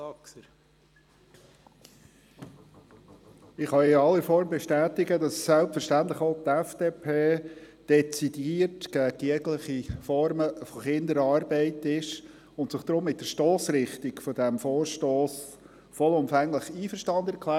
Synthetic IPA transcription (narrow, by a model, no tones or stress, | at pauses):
ɪχɑɪɑlːifɔɾmbɛʃtæːtɪɡədɑsːɛlpfəɾʃtænt̪ləχoʊt̪ɛfd̥eːpʰeːd̥ɛt͡sid̥iːrtɡ̥æɡiəɡləχifɔɾməfɔχɪnd̪əɾɑːɾbɛɪtɪʃ | ʊnt̪sɪχd̥̪ɾʊmːɪt̚d̥əʃtoːsɾɪχt̪iɡfɔdæmfɔːɾʃtoːs | fɔlʊmfæŋləχiːfəɾʃtɑnd̪ɛɾkʰlæː